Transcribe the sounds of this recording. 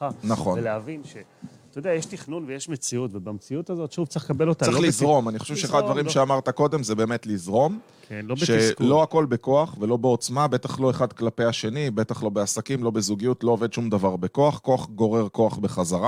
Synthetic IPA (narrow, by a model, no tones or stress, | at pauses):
naχo̞nveleavinʃe | t̪ojod̪eajeʃtiχnunvejeʃmet͡siutvebamt͡siut̪azo̞tʃuvt͡sikabelot̪aʁelizʁo̞maniχo̞ʃevʃeeχad̪advaʁimʃeamaʁt̪ako̞d̪emzebe̞ːme̞tlizʁo̞m | bʃe̞lo̞ako̞lbe̞ko̞aχve̞lo̞be̞o̞t͡smabe̞t̪aχlo̞e̞χad̪klape̞aʃe̞nibe̞t̪aχlo̞be̞asakimlo̞be̞zuɡijutlo̞ove̞d̪ʃumd̪avaʁbe̞ko̞aχko̞aχɡo̞ʁe̞ʁko̞aχbe̞χazaʁa